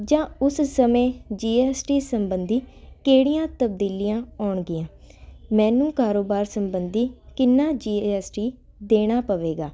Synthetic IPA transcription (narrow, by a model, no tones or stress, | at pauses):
d͡ʒãːʊssəmẽːd͡ʒiːɛːsʈiːsəmbənd̪iː | keːɽijãːt̪əbd̪iːlijãːɔːɳɡɪãː | mɛ̃ːnũːkaːɾoːbaːɾsəmbənd̪iːkɪnːãːd͡ʒiːɛːsʈiː | d̪eːɽ̃aːpəʋeːɡaː